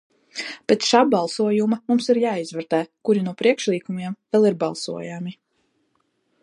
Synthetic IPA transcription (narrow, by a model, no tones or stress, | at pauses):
pet̪ʃaːbalˠsuɔjumamumsiɾjaːizvɛɾt̪ɛːkuɾinuɔpɾiɛkʃlˠiːkumiɛmvɛlˠiɾbalˠsṵɔjami